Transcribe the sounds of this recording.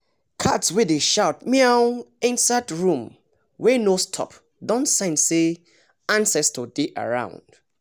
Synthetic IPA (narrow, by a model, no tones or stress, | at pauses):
kʰatswɪðeʃaʊt̚miaɛ̃nsadɹũm | wenostʰɔ̰p | dɔ̃nsãɪ̃nse | ãnsɛstʰodeʔa̰ɹã̰ʊ̃nd̥